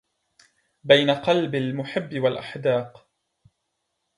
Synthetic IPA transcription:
bajnaqɑlbalmʊħɪbːɪwalʔaħd̪ɑːq

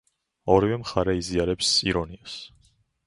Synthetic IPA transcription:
ɔɾivɛmχaɾɛiziaɾɛpsiɾɔnias

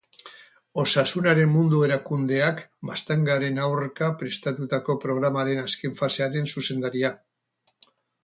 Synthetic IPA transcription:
o̞sasunaɾe̞mmund̪ue̞ɾakund̪e̞akbast̪eŋɡaɾe̞nawɾkapɾe̞st̪at̪ut̪ako̞pɾo̞ɣ̞ɾamaɾe̞naske̞ɱfase̞aɾe̞nsuse̞nd̪aɾia

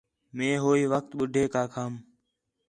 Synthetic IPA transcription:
mẽːɦoːiːʋək̚t̪ɓʊɖʱeːkaːkʰaːm

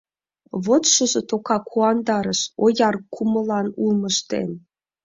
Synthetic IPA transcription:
βot̪ʃɤ̆zɤ̆t̪okɑkʰuɑnd̪ɑɾɤ̆ʃojɑrkʰumɤ̆lˠɑnulˠmɤ̆ʃt̪ḛnʲ

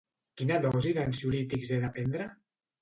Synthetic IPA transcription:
kinaðɔziðansjulit̪ikzeðapend̪ɾa

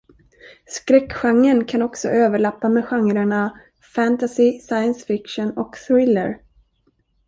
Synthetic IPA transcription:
skɾɛkɧaŋːənkʰanɔksɔ̰ʔøːvəɭapːamɛɧaŋɾaɳa | fænt̪asɪsajənsfɪkʂɔnɔkθɾɪlːəɾ

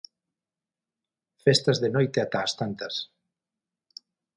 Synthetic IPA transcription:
fest̪ɐzðenojt̪eat̪aːst̪ant̪ɐs

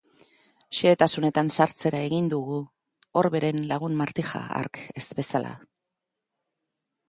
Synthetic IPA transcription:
ʃeːt̪asune̞t̪ansaɾt͡se̞ɾae̞ɣind̪uɣu | o̞ɾβe̞ɾe̞nlaɣ̞unmaɾt̪ixa̰a̰ɾke̞zbe̞salʔa̰

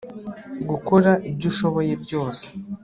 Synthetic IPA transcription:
ɡukoɾaʔibɟuʃo̞βo̞je̞bɟo̞ːse̥

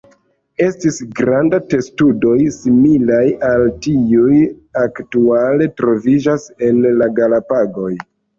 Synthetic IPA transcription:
e̞stisɡɾandate̞studo̞jsimilajaltiujaktuale̞tɾo̞vid͡ʒase̞nlaɡalapaɡo̞j

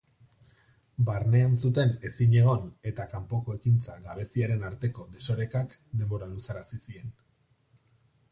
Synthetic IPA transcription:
baɾne̞ansut̪e̞ne̞siɲe̞ɣ̞o̞ne̞t̪akampo̞ko̞e̞kint͡saɣaβe̞siaɾe̞naɾt̪e̞ko̞d̪e̞so̞ɾe̞kakd̪e̞mbo̞ɾalusaɾasisie̞n

